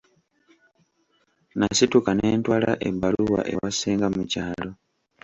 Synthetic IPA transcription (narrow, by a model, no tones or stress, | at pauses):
nasitukaneːntwaːlaʔḛbːaluwa̰ʔe̞̰waseːŋɡammucaːlo̞